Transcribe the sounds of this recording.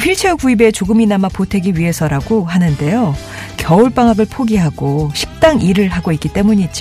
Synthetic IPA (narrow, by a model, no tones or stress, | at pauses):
pʰiɭt͡ɕʰeokuibe̞t͡ɕoɡɯminamapotʰe̞ɡiɥiɦe̞sʰʌɾaɡoɦanɯnde̞jo | kjʌuɭp͈aŋɦaɡɯɭpʰoɡiɦaɡ̥oɕʰi̥k̚t͈aŋiɾɯɭɦaɡoik͈it͈e̞muɲid͡ʑi